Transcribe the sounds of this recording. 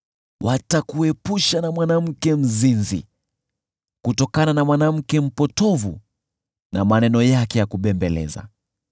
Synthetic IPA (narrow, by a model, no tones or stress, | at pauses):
wʔatakuɛpuʃanamwanam̩kɛm̩zinzḭ | kutɔkananamwanam̩kɛm̩pɔtɔvu | na̰manɛnɔjakɛjakuɓɛmbɛlɛ̰za̰